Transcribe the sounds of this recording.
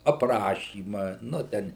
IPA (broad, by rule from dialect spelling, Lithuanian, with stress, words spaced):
ɐpˈrɑːʃʲiːmɐ ˈnʊ ˈtʲɛn